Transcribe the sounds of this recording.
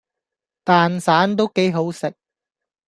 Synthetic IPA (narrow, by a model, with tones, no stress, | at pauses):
t̪aː˨nsaː˨˥nt̪̬o˥wke˨˥jɦo˨˥wsɪ˨k̚